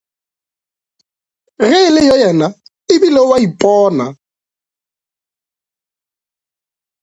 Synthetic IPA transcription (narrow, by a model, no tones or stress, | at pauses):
ɣɪlɪjɔjɛna | ɪbilɔwaipʼɔːna